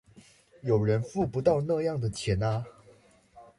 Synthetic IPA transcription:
jo˨˩ʊɻə˧˦nfu˥˨pu˧˦t̪ɑ˥˧ʊna˥˧jɑ˥˩ŋd̪ə˨˩t͡ɕʰjɛ˨˥na˧

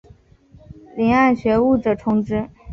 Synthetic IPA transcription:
ljɛ˧˥na˥˩nɕɥɛ˧˥u˥˩ʈ͡ʂɤ˨˩ʈ͡ʂʰʊ˥ŋʈ͡ʂɻ̩˥

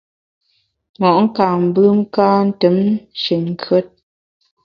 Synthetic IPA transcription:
ŋɔ˨ʔŋ̩˦ka˨m̩˨bɨ˦ŋ̩˦kaː˦n̩˦tə˨˦mʃə˨ŋ̩˨kə˦t̚

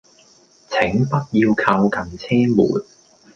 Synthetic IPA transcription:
t͡sʰɪ˨˥ŋpɐ˥t̚jiː˧wkʰa˧wkɐ˨˩nt͡sʰɛː˥mṵː˨˩n

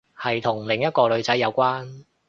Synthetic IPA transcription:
hɐ˨jt̪ʰʊ˨˩ŋlɪ˨ŋjɐ˥t̚kɔː˧lɵ˨˧ɥt͡sɐ˨˥jːɐ˨˧wkʷaː˥n

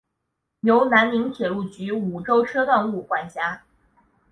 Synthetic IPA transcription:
jo˧˥ʊna˧˥nli˧˥ŋt̪ʰjɛ˨˩lu˥˩t͡ɕy˧˥u˨˩ʈ͡ʂo˥ʊʈ͡ʂʰɤ˥t̪a˥˧ŋu˥˩kwa˥˩nt͡ɕja˥

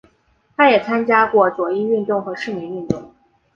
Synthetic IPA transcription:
t̪ʰa˥jɛ˨˩t͡sʰa˥nt͡ɕja˥kwɔ˥˩t͡swɔ˨˩i˥˧y˥˧nt̪ʊ˥˩ŋxɤ˧˥ʂɻ̩˥˩mi˧˥ny˥˧nt̪ʊ˥˩ŋ

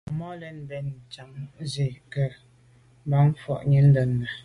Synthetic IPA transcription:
mɔ˦lɛ˨˦n˨bɛ˨n̩˨t͡ʃa˨mze˨kə˨˦ | ba˦m̩˦fɔ̰˦˨ʔɲə˨˦n̩˦də˨nː˨a˨

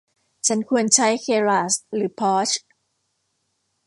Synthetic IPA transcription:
t͡ɕʰa˦˥nkʰu˧ənt͡ɕʰa˦˥jkʰeː˧ɾaː˨˩sɾɯː˩˦pʰɔː˦˥t͡ɕʰ

